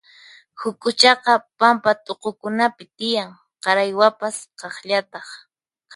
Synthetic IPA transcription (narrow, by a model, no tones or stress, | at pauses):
hʊkʊt͡ʃɑqɑpampat̪oqokʊnapɪt̪ɪjaŋ | qɑɾajwapasqɑχʎat̪ɑχ